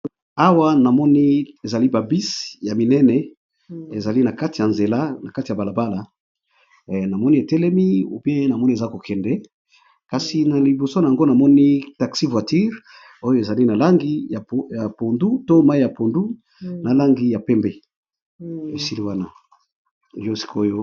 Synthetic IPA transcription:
a˦wa˦na˨mɔ˦ni˦e˨za˨li˦ba˨bi˦sja˨mi˨nɛ˦nɛ˨ | e˨za˨li˦na˨ka˦ti˨ja˨nze˨la˦na˨ka˦ti˨ja˨ba˨la˨ba˦la˨ | na˨mɔ˦ni˦e˨tɛ˦lɛ˦mḭ˦˨bi˦e˦na˨mɔ˦ni˦e˨za˦ko˨kʰɛ˨ndɛ˦ | ka˨si˨na˨li˨bo˨so˦na˨ja˨ŋɡo˦na˨mɔ˦ni˦ta˨ksi˦vwa˨ti˦ʁ | o˦jo˦e˨za˨li˦na˨la˦ŋɡi˦˨ja˨po˨ndu˦to˦ma˦i˦ja˨po˨ndu˦ | na˨la˦ŋɡi˦ja˨pɛ˦mbe˦ | e˨si˦li˦wa˦na˨ | jo˦si̥˦kʰo˦jo˦

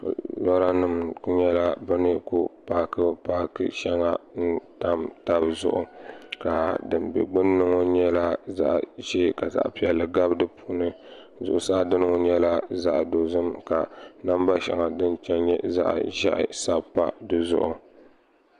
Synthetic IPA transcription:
lɔ˦ɾa˦nɨ˨mku˦ɲɛ˦la˦bɨ˦nɨ˦ku˨paː˦kɨ˦paː˦kɨ̰˦ʃɛ˦ŋa˦n̩˦ta˦mta˦bzʊ̰˦ʔʊ˨ka˨dɨ˨mbɛ̰˨ɡ͡bɨ˦nːɨ˦ŋo˦ɲɛ˦la˦za̰˦ʔʒe˦ka˨za̰˦˨ʔpi˦ɛ˨lːɨ˨ɡa˦bdɨ˦pʰu˦nɨ˦ | zʊ˨ʔʊ˨sa˦˨dɨ˦nɨ˦ŋo˦ɲɛ˦la˦za˦ʔdo˨zɨ˦mka˨na˦mba˦ʃɛ̰˨ŋa˨dɨ˦nt͡ʃɛ˦nɲɛ˦za̰˦ʔʒɛ̰˦ʔɪ̰˦sa˦bpːa̰˦dɨ˦zʊ̰˦ʔʊ˨

